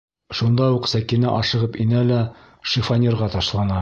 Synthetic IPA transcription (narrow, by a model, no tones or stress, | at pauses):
ʃund̪ɑjuqsækinɘ̰ʔɒʃɤ̆ʁɤpinælæ | ʃifɐnʲerʁɑt̪ɒʃlˠɑnɑ